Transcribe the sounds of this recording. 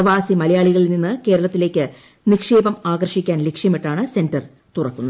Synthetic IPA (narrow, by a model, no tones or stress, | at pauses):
ɐʋaːsimɐlɐjaːɭiɣɐɭilninːɨke̞ːɾɐɭɐt̪ːile̞ːkʲːɨ | nikʂe̞ːbɐmaːɡɐrʂikʲːaːnlekʂjɐmiʈːaːɳɨse̞ndɐr | t̪urɐkːunːɐ